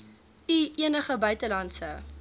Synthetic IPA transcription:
iʔiənəχəbœɥtəlɐntsə

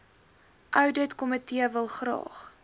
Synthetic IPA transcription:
ʔœwdətkɔmətiəvəlˠχrɑ̰ːχ

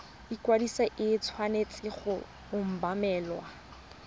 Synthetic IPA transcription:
ikwadisaʔɪt͡sʰwanet͡sʼɪχʊ | ʊm̩bamɛːlwa

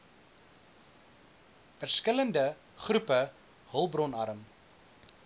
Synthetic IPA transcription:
fərskələndə | χrʉpə | ɦəlˠbrɔnɐ̰ɾəm

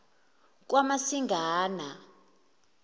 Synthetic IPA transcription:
k̬wamasiŋɡʱaːna

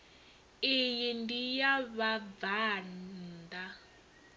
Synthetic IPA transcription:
ejindijaβavanda

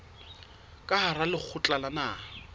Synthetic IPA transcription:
kʼaɦaralɪk͡xʰʊt͡ɬʼalana

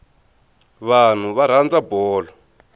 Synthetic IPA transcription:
βan̤uβaɾ̤and͡zabɔːlɔ

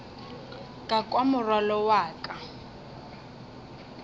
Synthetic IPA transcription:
kʼakʼwamʊrwalɔwaːkʼa

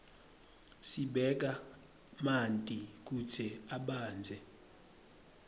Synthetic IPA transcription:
siɓɛk̬a | mantʼik̬ut͡sʰɛaɓaːnd͡zʱɛ

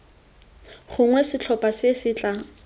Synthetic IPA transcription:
χʊŋwɛsɪt͡ɬʰɔpʼasɪsɪːt͡ɬʼa

